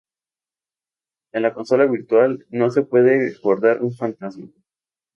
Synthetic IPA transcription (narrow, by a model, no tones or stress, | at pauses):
e̞nlako̞nso̞laβiɾt̪walno̞se̞pwe̞ðe̞ko̞ɾðaɾʔunfant̪azma